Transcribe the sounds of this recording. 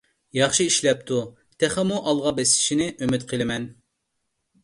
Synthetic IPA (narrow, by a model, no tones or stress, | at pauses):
jɑχʃiiʃlɛp̚t̪ʰu | t̪ʰɛχɛmuʔɑlˠʁɑbɛslɪ̥ʃinɪʔømyt̪qʰəlˠɪmɛn